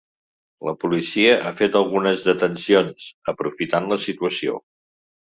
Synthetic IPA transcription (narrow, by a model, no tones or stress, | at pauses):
ləpulisiəʔafet̪əlˠɣunəzðət̪ənsionsəpɾufit̪anləsit̪uəsio̰